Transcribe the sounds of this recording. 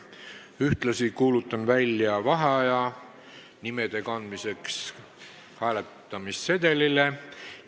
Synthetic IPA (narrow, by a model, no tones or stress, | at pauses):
yht̪lɑsikuːlut̪ːˑɑnvælʲjɑvɑɦeɑjɑ | nime̞d̪̥e̞kɑnd̪mise̞ks | hæːlet̪ːˑɑmisːe̞d̪̥e̞lile̞